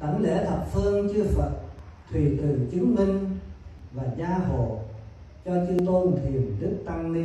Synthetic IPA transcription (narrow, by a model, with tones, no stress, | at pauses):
t̪ə˧˩ŋlḛ˧˥˩t̪ʰə˨˩p̚fɨ˧əŋt͡ɕɨ˧əfə˨˩t̚t̪ʰwi˨˩t̪ɨ˨˩t͡ɕɨ˨˦ŋmï˧ŋ̟ | vaː˨˩zaː˧ɦo̰˧˨ | t͡ɕɔ˧t͡ɕɨ˧ət̪o˧nt̪ʰi˨˩ənɗɨ˦˥k̚t̪a˧ŋni˧